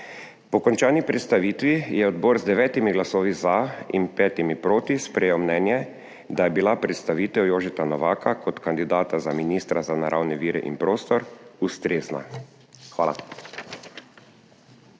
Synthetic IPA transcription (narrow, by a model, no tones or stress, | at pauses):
pɔkɔnt͡ʃaːnipɾɛt̪st̪aʋiːt̪ʋijɛɔd̪boːɾzd̪ɛʋɛːt̪imiɡlasoːʋizaḭnpɛːt̪imipɾoːt̪ispɾɛjewmnɛːnjɛ | d̪ajɛbilapɾɛt̪st̪aʋiːt̪ɛwjoːʒit̪anɔʋaːkʰakʰɔt̪kand̪id̪aːt̪azaminiːst̪ɾazanaɾʔawnɛʋiːɾɛ̰ʔḭnpɾoːst̪ɔɾust̪ɾeːzna̰ | xʋaːla̰